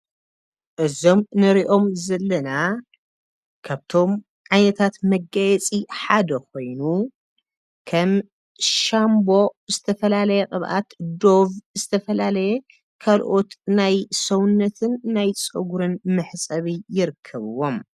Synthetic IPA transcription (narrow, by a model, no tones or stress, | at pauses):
ʔɨzo̞mnɨɾiʔo̞mzɐlːɐna | kʰaβt̪ʰo̞m | ʕajnɐt̪ʰat̪mɐɡːajɛt͡sʼiħad̪ɐko̞jnu | kʰɐm | ʃambo̞zɨt̪ʰɐfɐlalɐjɛkʼɨβʔa̰t̪d̪o̞vzɨt̪ʰɐfɐlalɐjɛ | kʰalʔo̞t̪najsɐwʊnːɐt̪ʰɨnːajt͡sʼɨɡuɾɨnmɨħsʼɐβijɪɾɨkʰːɐβɨwo̞m